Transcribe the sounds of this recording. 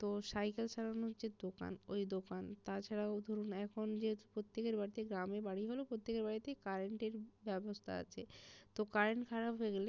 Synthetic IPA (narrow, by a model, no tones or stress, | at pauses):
t̪osajkelʃaɾonot͡ɕed̪oka̰nojd̪okant̪at͡ɕʰaɽaod̪ʱoɾunɛkʰond͡ʑepɾot̪ːekeɾbaɾit̪eɡɾamebaɽiɦolopɾot̪ːekeɾbaɽit̪ekaɾeɳʈeɾbɛbost̪ʰa̰a̰t͡ɕʰet̪okaɾeɳʈkʰaɾapɦeɡele